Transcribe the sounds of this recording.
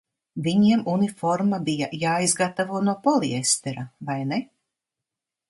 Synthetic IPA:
viɲiɛmunifɔɾmabijajaːizɡat̪avuɔnuɔpɔliɛst̪ɛɾavajnɛ

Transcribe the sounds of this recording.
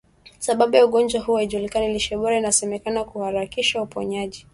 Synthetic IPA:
saɓaɓujauɠɔnd͡ʒwahuːwaiʄulikanaliʃɛɓɔɾainasɛmɛkanakuhaɾakiʃaupɔɲaʄi

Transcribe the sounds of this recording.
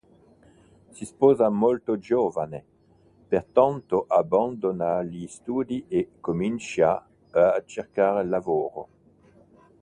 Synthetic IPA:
sispɔːzamolt̪od͡ʒoːvane | pert̪ant̪oʔaband̪onalist̪uːd̪iekomint͡ʃia | t͡ʃerkaːɾelːavoːɾo̰

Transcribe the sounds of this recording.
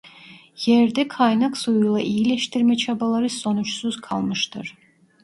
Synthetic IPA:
jɛɾd̪ɛkʰajnaksujulˠaʔijilʲɛʃt̪ʰiɾmɛt͡ʃʰabalˠaɾɯso̞nut͡ʃsuzkʰalˠmɯʃt̪ʰɯɾ̥

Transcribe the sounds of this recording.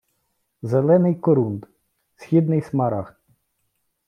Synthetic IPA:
zelˠɛnɪjkɔɾund̪ | sʲxʲid̪nɪjsmɐɾɑx

